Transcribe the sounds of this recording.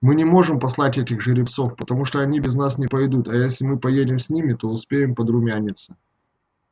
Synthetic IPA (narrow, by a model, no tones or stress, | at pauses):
mɨnʲɪmo̞ʐɨmpɐslˠatʲɛtʲɪxʐɨɾʲɪpt̪so̞fpət̪ɐmuʂt̪oɐnʲibʲɪznasnʲɪpɐjd̪ut̪ɐjesʲlʲɪmɨpɐjedʲɪmsʲnʲimʲɪt̪o̞ʊspʲejɪmpəd̪ɾʊmʲænʲɪt̪sɨ̥